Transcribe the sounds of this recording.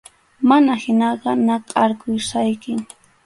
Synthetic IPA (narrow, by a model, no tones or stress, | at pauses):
manahɪnɑɢɑnaqʼɑɾkʊjsajkɪ